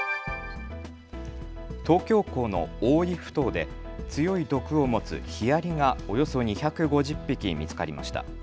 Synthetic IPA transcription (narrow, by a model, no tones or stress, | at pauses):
t̪o̞ːkʲo̞ːko̞ːno̞̰oːiɸɯ̥t̪o̞ːd̪e̞̰ | t͡sɨjo̞id̪o̞kɯ̟o̞mo̞t͡sɨ̰çiaɾʲiŋao̞jo̞so̞ɲ̟içakɯ̟ɡo̞ʑɨpʲːikʲimʲit͡sɨ̥kaɾʲima̰ɕi̥t̪a̰